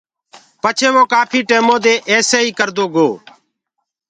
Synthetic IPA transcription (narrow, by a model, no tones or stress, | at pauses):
pət͡ʃʰeːʋoːkaːpʰiːʈeːmõːd̪eːʔɛːseːiːkəɾd̪oːɡoː